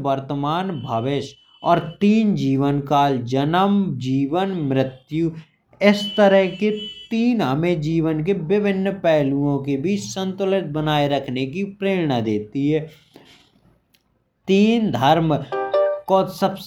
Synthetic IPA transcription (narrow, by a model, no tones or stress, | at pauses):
ʋəɾt̪əmaːnbʱəʋɪʃ | ɔːɾt̪iːnd͡ʒiːʋənkaːld͡ʒənəmd͡ʒiːʋənmɾɪt̪ju | ɪst̪əɾəɦket̪iːnɦəmed͡ʒiːʋənk̬ebɪbʱɪnːpɛːluõkebʱiːt͡ʃsə̃nt̪ʊlɪt̪̚bənaːeɾəkʰnekipɾeːɽnad̪eːt̪iɦɛː | t̪iːnd̪ʱəɾm | kosəbs